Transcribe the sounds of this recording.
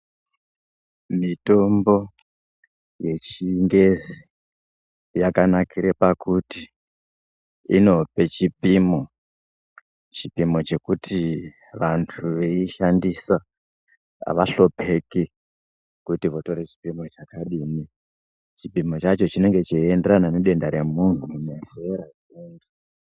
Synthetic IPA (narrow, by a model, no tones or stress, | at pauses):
mito̞mbo̞ | je̞t͡ʃiŋɡe̞zi | jakanakiɾepakuti | ḭno̞pe̞t͡ʃipimo | t͡ʃipimo̞t͡ʃe̞kutʰi | ʋantʰuʋeiʃandisa | a̰ʋaɬo̞pʰe̞ke | kutiʋo̞to̞ɾet͡ʃi̥pimo̞t͡ʃakaɗiːni | t͡ʃipimo̞t͡ʃat͡ʃo̞t͡ʃine̞ŋɡe̞t͡ʃiendeɾananeɗe̞ndaɾe̞mun̤une̞feɾa | endu